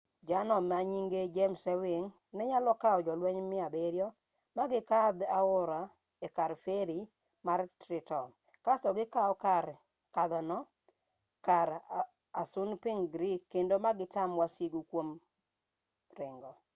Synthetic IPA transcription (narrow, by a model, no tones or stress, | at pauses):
d͡ʒanɔmaɲiŋɡed͡ʒɛmsɛwɪŋ | nɛɲalɔkaɔd͡ʒɔlwɛɲmɪabeɾjɔ | maɡɪkad̪aʊɾa | ekaɾfeɾi | martɾɪtɔn | kasɔɡɪkaɔkaɾ | kaðɔnɔ | kaɾ | asʊnpɪŋɡɾikːendomaɡɪtamwasiɡukwom | rɪŋɡɔ